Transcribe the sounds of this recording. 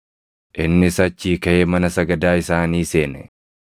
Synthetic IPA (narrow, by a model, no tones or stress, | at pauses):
ʔɪnːɪsɐt͡ʃːiːkɐjeːmɐnɐsɐɡɐd̪aːɪsaːniːse̞ːnɛ